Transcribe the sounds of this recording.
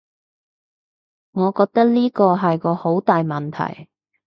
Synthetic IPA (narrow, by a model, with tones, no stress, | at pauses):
ŋɔː˨˧kɔː˧k̚t̪ɐ˥k̚liː˥kɔː˧ɦɐ˨jkɔː˧ho˨˥wt̪aː˨jmɐ˨˩nt̪ʰɐ̰˨˩j